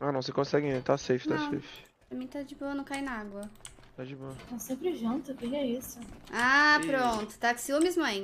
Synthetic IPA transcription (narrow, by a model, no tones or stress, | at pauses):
anɐ̃w̃sekõsɛɡɪ̃ẽt̪asejfɪ̥naɐsḛjfɪ̥ | pɾɐmẽj̃t̪ad͡ʒɪbõɐnɐ̃w̃kajnɐaɡwɐ | t̪ad͡ʒɪboɐt̪asẽmpɾɪʒũnt̪ʊkẽj̃ɛisʊappɾõt̪ʊ̥t̪aksiomizmɐ̃j̃